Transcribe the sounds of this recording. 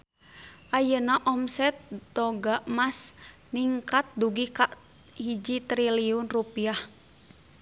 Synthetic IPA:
ʔajənaʔɔmsɛt̪̚dɔɡaʔmas | niŋkat̪̚duɡikaʔ | hid͡ʒit̪ɾiliunrupiah

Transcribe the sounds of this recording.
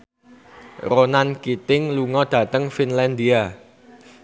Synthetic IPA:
ɾonankit̪ɪŋluŋɔd̥ä̤t̪əŋfinlɛnd̪ia

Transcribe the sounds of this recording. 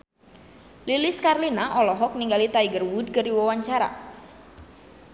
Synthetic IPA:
liliskarlinaʔɔlɔɦɔk̚niŋɡalit̪aiɡərwud̚kɨriwawaɲt͡ʃaɾa̰

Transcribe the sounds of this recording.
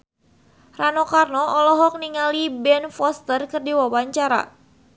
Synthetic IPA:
ranɔkarnɔɔlɔɦɔk̚niŋalibɛnfɔst̪ərkɨrdiwawaɲt͡ʃaɾa̰

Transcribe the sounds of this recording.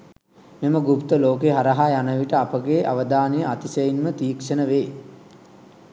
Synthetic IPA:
miməɡupt̪əloːkeɦaɾɐɦajanəʋiʈəapəɡeːʔaʋəd̪aːnejəat̪isejinmət̪iːkʂənəʋeː

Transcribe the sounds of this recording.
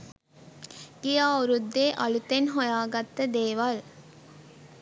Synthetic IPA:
ɡ̥ijaːuɾud̪ːeːʔɐlut̪enɦojaːɡat̪ːəd̪eːʋal

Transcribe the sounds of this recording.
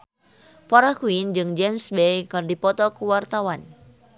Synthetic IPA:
fɔɾakuind͡ʒɨŋd͡ʒɛmsbejkɨrdipɔt̪ɔkuwart̪awan

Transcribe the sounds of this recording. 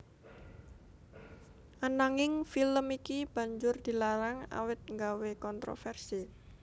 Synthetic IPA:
ʔanaŋɪŋfiləmikib̥ä̤ɲd͡ʒʊrd̪̥i̤laɾaŋa̰wɪt̪̚ŋɡawekɔnt̪ɾo̰fɛrsi

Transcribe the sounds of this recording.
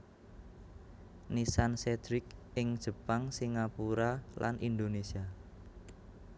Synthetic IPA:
nisansed̪ɾɪkɪŋd̥ʒ̥ə̤paŋsiŋapuɾala̰nʔind̪onesia

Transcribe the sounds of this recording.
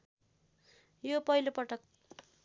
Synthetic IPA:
jopʌilopʌʈʌk̚

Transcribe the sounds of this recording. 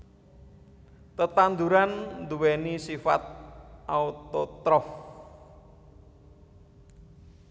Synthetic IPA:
t̪ət̪and̪uɾand̪uwɛnisifa̰t̪̚ʔaut̪ɔt̪ɾɔf

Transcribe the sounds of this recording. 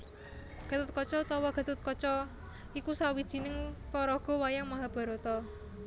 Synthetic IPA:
ɡ̥a̤t̪ʊt̪̚kɔt͡ʃɔt̪ɔwɔɡ̥a̤t̪ʊt̪̚kɔt͡ʃɔ | ikusawid̥ʒ̥i̤nɪŋpɔɾɔɡ̥ɔ̤wajaŋmaɦab̥a̤ɾot̪ɔ

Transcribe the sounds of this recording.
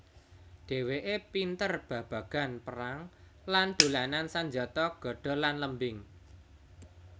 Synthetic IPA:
ɖ̥e̤weʔepint̪ərb̥ä̤b̥ä̤ɡ̥a̤npəɾaŋland̪̥ṳlanansaɲd͡ʒɔt̪ɔɡ̥ɔ̤ɖ̥ɔ̤lanləmbɪŋ

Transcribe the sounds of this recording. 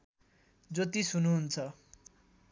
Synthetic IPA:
d͡zot̪isunuɦunt͡sʰʌ

